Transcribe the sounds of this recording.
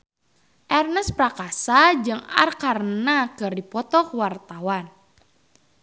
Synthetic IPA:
ʔɛrnɛspɾakasad͡ʒɨŋa̰rkarnakɨrdipɔt̪ɔkwart̪awan

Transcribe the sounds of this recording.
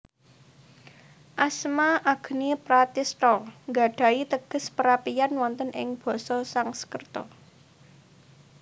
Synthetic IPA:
ʔasmaʔaɡ̥ə̤nipɾat̪ist̪ɔŋɡa̤ɖ̥ä̤it̪əɡ̥ə̤spəɾapijanwɔnt̪ənʔɪ̰ŋb̥ɔ̤sɔsaŋsə̥kərt̪ɔ̰

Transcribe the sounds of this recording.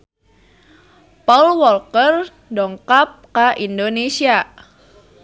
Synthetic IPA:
paulwɔlkər | dɔŋkap̚kaʔindonesia

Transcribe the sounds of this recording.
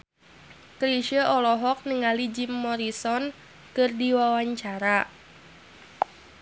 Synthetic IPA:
kɾiʃəʔɔlɔɦɔk̚nəŋalid͡ʒimːɔɾisɔn | kɨrdiwawaɲt͡ʃaɾa

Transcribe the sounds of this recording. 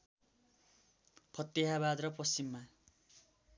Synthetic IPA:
pʰʌt̪ːeɦabad̪rʌprʌsimːa

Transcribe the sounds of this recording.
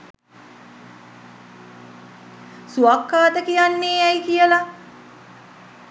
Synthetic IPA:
suakːaːt̪əkijanːeːɛjkijəla

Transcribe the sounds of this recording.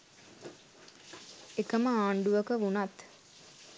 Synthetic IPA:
ekəməaːɳɖuʋəkəʋunat̪

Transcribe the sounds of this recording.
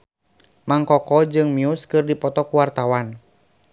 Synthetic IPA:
maŋkɔkɔd͡ʒɨŋmiuskɨrdipɔt̪ɔkuwart̪awan

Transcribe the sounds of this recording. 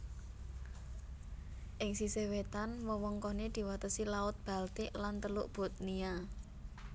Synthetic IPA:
ʔɪŋsisewet̪anwɔwɔŋkɔned̪̥i̤wat̪əsilaʊt̪̚b̥a̤lt̪ɪʔlant̪əlʊʔb̥o̤t̪̚nia

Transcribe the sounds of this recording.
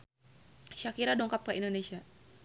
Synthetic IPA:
ʃakiɾadɔŋkap̚kəʔindonesia

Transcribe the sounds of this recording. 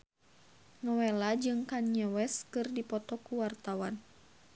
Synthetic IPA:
nɔwɛlad͡ʒɨŋkanɲəwɛskɨrdipɔt̪ɔkuwart̪awan

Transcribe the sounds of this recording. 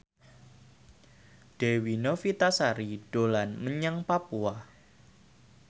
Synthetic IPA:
ɖ̥ewinofit̪asaɾid̥olanməɲəŋpapua

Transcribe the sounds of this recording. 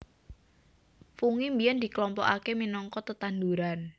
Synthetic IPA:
fuŋimbijɛnd̪̥i̤klɔmpɔ̰ʔakeminɔŋkɔt̪ət̪and̪uɾan

